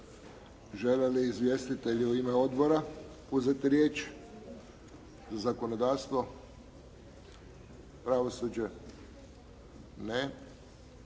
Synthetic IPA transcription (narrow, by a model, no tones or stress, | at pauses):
ʒeleliːzʋʲjest̪it̪e̞ʎiuimeo̞d̪bo̞ɾa | uzet̪iɾjeːt͡ʃ | zazako̞nod̪aːɾst̪ʋo̞ | pɾaʋosud͡ʑe | ne